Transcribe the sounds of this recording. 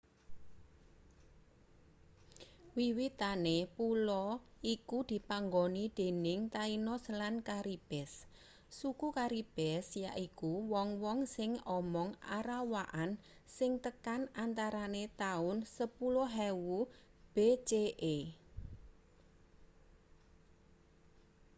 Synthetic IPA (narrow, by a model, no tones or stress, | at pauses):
wiwit̪anepulɔikud̪̥i̤paŋɡonid̪̥e̤nɪŋt̪ainɔslankaɾib̥ɛsː | ukukaɾib̥ɛsjaʔikuwɔŋwɔŋsɪŋɔmɔŋa̰ɾawaʔan | sɪŋt̪əkanant̪aɾanet̪aʊnsəpulɔɦɛwu | b̥et͡ʃeʔe